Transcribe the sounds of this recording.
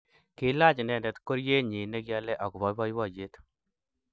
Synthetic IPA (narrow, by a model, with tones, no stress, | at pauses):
kɪ˦la˦t͡ʃnɛ˨ndɛ˨tko˦ɾje˦ɲi˨ne˦kja˦lɛ˦ʔɔ˨ku˨βɔ˦βɔ˦jwɔ˦˨d͡ʒe˦t